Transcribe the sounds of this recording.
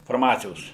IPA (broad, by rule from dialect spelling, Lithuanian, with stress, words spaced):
fɐrˈmɑːt͡sʲɪjoːs